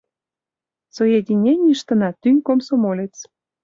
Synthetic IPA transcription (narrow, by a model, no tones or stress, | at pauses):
t͡sojed̪ʲinʲenʲiʃt̪ə̆nɑt̪ynʲkomsomolʲet͡s